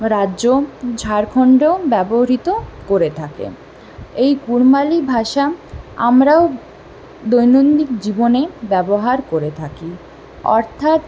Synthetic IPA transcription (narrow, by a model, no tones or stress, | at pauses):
ɾaːʑod͡ʑʱaɾkʰɔɳɖobɛboɾit̪okoɾet̪ʰakḛ | ejkuɾmalibʱaʃaa̰mɾao | d̪ojnond̪ikd͡ʑibonebɛboɦaɾkoɾet̪ʰaki | ɔ̰ɾt̪ʰat̪